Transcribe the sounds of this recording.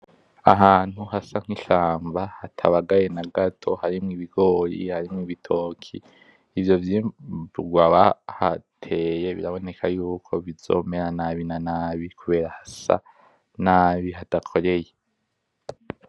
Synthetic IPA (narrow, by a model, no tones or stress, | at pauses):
a̰ɦaːn̥huhasaŋ̥hiʃaːmbahatʰa̰βaɡaje̞naɡatʰo̞haɾimŋiβiɡo̞ːɾḭhaɾimŋiːβitʰo̞ːkʰḭː | vjo̞vjiuɡwaβahatʰe̞ːje̞βḭɾaβo̞ne̞kʰajuːkʰo̞βizo̞̰ːme̞ɾanaβinanaːβikuβe̞ːɾahasa̰ | naːβiɦadakʰo̞ɾe̞je